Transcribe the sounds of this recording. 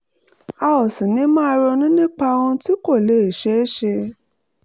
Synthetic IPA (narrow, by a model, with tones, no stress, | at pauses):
a˧ɔ˨sĩ˨nĩ˨˦mãː˦˧ɾɔ˧nĩ˦nĩ˦k͡pa˧w̃ɔ̃˧ti˦ko˦˨le˦˨e˨ʃe˨˦ʃe˧